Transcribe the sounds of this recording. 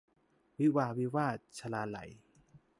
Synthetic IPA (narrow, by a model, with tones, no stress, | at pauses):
wi˦˥waː˧wi˦˥waː˥˩t̪̚t͡ɕʰa˧laː˧la̰˨˩˦j